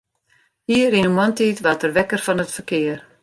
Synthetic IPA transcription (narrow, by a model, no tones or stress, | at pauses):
hiːəɾinəmɔntiːtʋatərʋɛkərfɔnətfərkɪːər